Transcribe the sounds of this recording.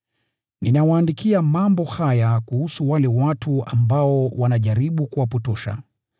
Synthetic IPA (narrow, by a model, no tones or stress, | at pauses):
ninawaːndikiamambɔhajakuhusuwalɛwatua̰mbaɔwanaʄaɾiɓukuwapɔtɔʃa̰